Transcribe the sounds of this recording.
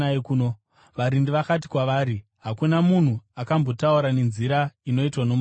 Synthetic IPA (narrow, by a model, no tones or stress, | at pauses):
kuno | ʋaɾindiʋakat̬i̥kwaʋaːɾi | ɦakunamun̤uakambo̞tauɾane̞nziɾaino̞itwanom